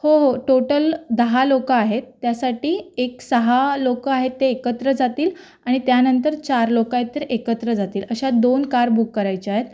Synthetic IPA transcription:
hoɦoʈoʈəld̪əɦalokəːɦet̪ːjasaʈiːeksəɦalokəaɦet̪ːeːkət̪ɾəd͡zat̪iːl | aɽ̃it̪janənt̪əɾt͡ɕaɾlokaet̪ːəɾekət̪ɾəd͡zat̪iːləɕad̪onkaɾbʱukːəɾajt͡ɕeaɦet̪̚

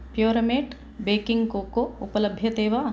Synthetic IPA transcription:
pjoːɾɐmeːʈ | beːkɪ̃ŋɡkoːkoʊpələbʱjət̪eːʋa

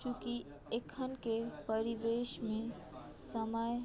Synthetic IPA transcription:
t͡ʃuki | ekʰənkepəɾiʋeʃmẽ | səməj

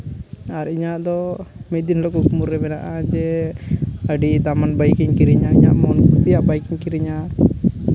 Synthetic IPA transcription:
aɾiɲaʔd̪ɔmɛd̪inlokukumuɾːɛbɛnaʔad͡ʒɛ | əɖit̪amanbəjkiɲkiɾiɲaiɲaʔmɔnkusijaʔbajkiɲkiɾiɲa

